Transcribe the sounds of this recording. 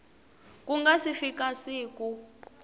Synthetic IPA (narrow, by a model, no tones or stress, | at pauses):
kuŋɡasifikʼasiːkʼu